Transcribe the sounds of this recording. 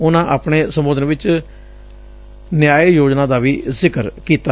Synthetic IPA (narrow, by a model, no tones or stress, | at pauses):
ʊnãːʔaːpɳeːsəmʊd̪ənʋɪt͡ʃ | njaːeːjoːd͡ʒnãːd̪aːʋiːzɪkəɾkiːt̪a